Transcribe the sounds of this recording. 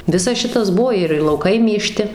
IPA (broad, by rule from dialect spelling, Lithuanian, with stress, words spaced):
ˈʋʲɪsɐs ˈʃʲɪtɐs ˈbuɔ ɪr ɪr lˠɐʊˈkɐɪ mʲeːˈʃʲtʲɪ